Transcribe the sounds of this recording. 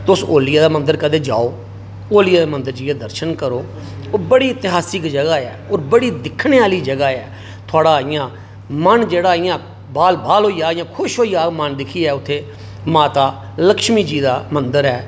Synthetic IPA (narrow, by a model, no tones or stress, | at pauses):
t̪ʊsoːlɪjaːd̪aːmənd̪əɾkəd̪eːd͡ʒa̰ːoː | oːlɪjaːd̪eːmə̃nd̪əɾd͡ʒiːãːd̪əɾʃənkəɾoː | bəɽiːɪt̪ɪɦaːsɪkd͡ʒəɡaːɛːoːɾbəɽiːd̪ɪkʰneːaːliːd͡ʒəɡaːɛː | t̪ʰʊaːɽaːɪjãː | mənd͡ʒeːɽaːɪjãː | baːlbaːlɦoːiaːijãːkʰʊʃɦoːiːaːmənd̪ɪkʰiːɛːʊt̪ʰːeː | maːt̪aː | ləkʃmiːd͡ʒiːd̪aːmənd̪əɾɛː